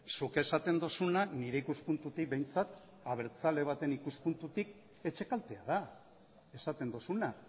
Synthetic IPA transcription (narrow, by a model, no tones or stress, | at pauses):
suke̞sat̪e̞nd̪o̞sunaniɾe̞ikuspunt̪ut̪ik̚be̞jnt͡sat̪ | aβe̞ɾt͡sale̞β̞at̪e̞nikuspunt̪ut̪ik̚ | e̞t͡ʃe̞kalt̪e̞að̞a | e̞sat̪e̞nd̪osuna